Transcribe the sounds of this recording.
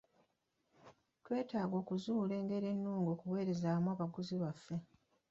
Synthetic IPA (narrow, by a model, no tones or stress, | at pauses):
twe̞ːtaːɡo̞ːkuzuːle̞ːŋɡe̞ɾe̞nːuːŋɡo̞ːkuwe̞ːɾe̞zaːmwaːβaɡuziβafːe̞